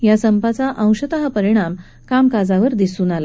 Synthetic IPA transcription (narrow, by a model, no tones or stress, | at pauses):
jasəmpat͡saʔə̃w̃ɕət̪aɦapəɾiɽ̃am | kamkad͡zaʋəɾd̪isuːnala